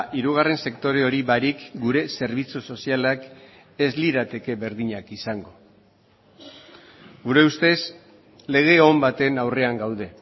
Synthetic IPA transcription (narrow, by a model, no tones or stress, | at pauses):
ʔiɾuɣ̞are̞nse̞kt̪o̞ɾe̞o̞ɾiβaɾikɡuɾe̞se̞ɾβ̞it͡suso̞sialak | e̞zliɾat̪e̞ke̞βe̞ɾðiɲakisaŋɡo̞ | ɡuɾe̞ust̪e̞s | le̞ɣ̞e̞ombat̪e̞nawre̞aŋɡawðe̞